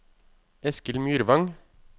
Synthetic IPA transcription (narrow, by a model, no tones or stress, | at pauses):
ɛskəlmjyːɾʋɑŋ